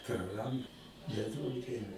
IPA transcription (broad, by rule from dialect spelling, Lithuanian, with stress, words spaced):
prɐˈrɐnt nʲɛˈduɔk ˈdʲiɛʋʲɛ